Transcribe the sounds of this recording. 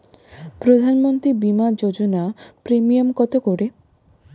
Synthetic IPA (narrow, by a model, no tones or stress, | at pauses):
pɾod̪ʱanmont̪ɾibimad͡ʑod͡ʑonapɾemiomkɔt̪okoɽe